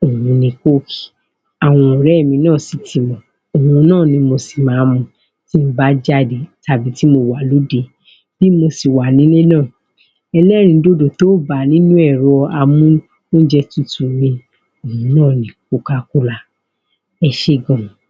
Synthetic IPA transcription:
o˨wũ˧nĩ˧ko˦˨ki̥˨ | a˨w̃ɔ̃˧˨ɾɛ˦˨mĩ˧nãː˦˨si˨ti˧mɔ̃˨ | o˨wũ˧˦nãː˦˨nĩ˧mo˧si̥˨mãː˨˦mɔ̃˧ | ti˦ba˨˦d͡ʒa˦˨de˨ta˨bi˨˦ti˦mo˧wa˨lo˨˦de˧˦ | b̥i˦mo˧si˨wa˨nĩ˨˦le˦nãː˦˨ | ɛ˧lɛ˦ɾ̃ĩ˧do˦do˨to˨˦ba˨nĩ˦nũ˦ɛ˦˨ɾɔ˧ɔ˧a˧mũ˦ | nõ˦d͡ʒɛ˧tu˦˨tu˨mĩ˧ | o˨ũ˨˧nãː˦˨nĩ˨˧˨ku˦˧ka˧ku˦la˧ | ɛ˧ʃe˦˨ɡɔ̃˨

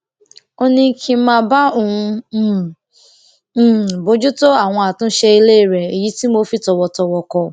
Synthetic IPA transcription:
o˦nĩ˧˦kʰi˧mãː˦˧˦ba˦o˨ũ˧˦˨ | bo˨˦d͡ʒu˦to˦a˦˨w̃ɔ̃˧a˨tũ˦ʃe˧i˧le˦i˦˨ɾɛ˨i˨ji˨˦ti˦mo˧˦fi˦tɔ˧wɔ˧tɔ˧wɔ˧kɔ˧

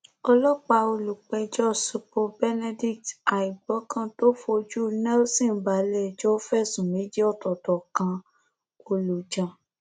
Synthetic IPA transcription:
ɔ˧lɔ˦k͡pa˧o˧lu˨k͡pɛ˧d͡ʒɔ˦˨su˧po˧bɛ˦nɛ˧di˦kta˨i˨ɡ͡bɔ˨˦kã˦to˦fo˧d͡ʒu˦nɛ˦lsĩ˦˨˦ba˨˦lɛ˦˨d͡ʒɔ˦fɛ˦˨sũ˨mĩ˨˦d͡ʒe˦ɔ˦˨tɔ˨tɔ˨kã˧ | o˧lu˨d͡ʒã˨

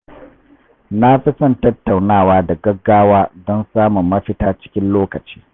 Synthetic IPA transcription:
na˦ɸɪ˦sɐ˦˨ntɐ˦tːa˨wnaː˦˨waː˦dɐ˨ɡɐ˦ɡːaː˦waː˦dɔ˦nsaː˦mʊ˨mːɐ˦ɸɪ˦taː˦t͡ʃɪ̥˦kʲɪ˦nloː˦kɐ˨t͡ʃi̥ː˦

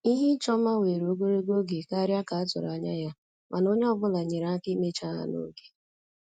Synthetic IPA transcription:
i˦ɦi˦t͡ʃɔ˦ma˦we˨ɾo˨˦ɡo˦ɾe˦ɡo˦ɡe˨ka˦ɾja˦ka˨a˦tʊ˨ɾa˨˦ɲa̰˦ja˦ | mʔa˨no˦ɲe˦ɔ˦ɡ͡bʊ˦la˨ɲe˨ɾa˦kɪ˦me˦t͡ʃa˦a̰˨no̰˨˦ɡe˨

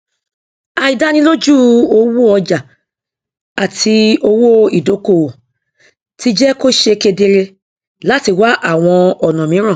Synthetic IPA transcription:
a˨i˨da˦nĩ˧˦lo˦d͡ʒu˦o˧wu˦ɔ˧d͡ʒa˨ | a˨tʰi˧o˧wo˦i˨do˨˦ko˦˨ | ti˧d͡ʒɛ˦ko˦ʃe˧ke˧de˧ɾe˧ | la˦ti˦˨wa˦ʔa˦˨w̃ɔ̃˧ɔ˨nɔ̃˨mĩ˨˦ɾ̃ã˦˨

